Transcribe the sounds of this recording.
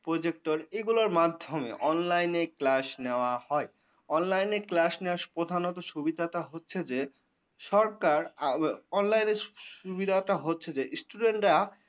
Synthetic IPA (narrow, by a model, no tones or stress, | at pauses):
pɾod͡ʑek̚ʈoɾeɡuloɾmad̪ʱːomḛʔɔnlajneklaʃneoahɔe | ɔnlajneklaʃnewapɾod̪ʱanɔt̪oʃubid̪ʱaʈaɦotːɕʰed͡ʑe | ʃɔɾkaɾ | ɔnlajneʃubid̪ʱaʈaɦotːɕʰed͡ʑesʈuɖeɳʈɾa